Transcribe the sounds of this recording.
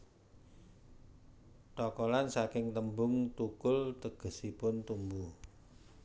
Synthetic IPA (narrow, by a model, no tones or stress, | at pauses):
ʈ̪ɔkɔlansakɪŋt̪əmbʊŋt̪ukʊlt̪əɡ̥ə̤sipʊnt̪umbu